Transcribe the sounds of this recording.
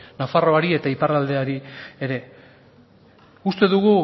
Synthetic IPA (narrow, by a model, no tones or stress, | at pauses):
nafaro̞aɾie̞t̪aipaɾald̪e̞aɾie̞ɾe̞ | ust̪e̞ðuɣ̞u